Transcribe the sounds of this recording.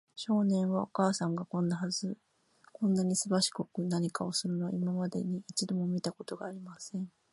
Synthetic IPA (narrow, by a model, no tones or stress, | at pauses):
ɕo̞ːnẽ̞ɰ̃βao̞kaːsãŋɡakõ̞nːahazɨ | kõ̞nːaɲ̟isɨbaɕi̥ko̞kɯ̟naɲ̟ikao̞sɨɾɯ̟no̞imamad̪e̞̰ɲ̟iit͡ɕid̪o̞mo̞mʲit̪ako̞t̪o̞ɡaːɾʲimasẽ̞ɴ